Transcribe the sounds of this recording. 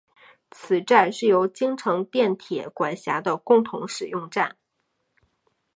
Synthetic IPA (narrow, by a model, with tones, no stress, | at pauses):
t͡sʰɹ̩˨˩ʈ͡ʂa˥˧nʂɻ̩˥˩jo˧˥ʊt͡ɕi˥ŋʈ͡ʂʰɤ˧˥ŋt̪jɛ˥˩nt̪ʰjɛ̰˨˩kwa˨˩nɕja˧˥d̪ə˧kʊ˥˩ŋt̪ʰʊ̰˧˥ŋʂɻ̩˨˩jʊ˥˧ŋʈ͡ʂa˥˩n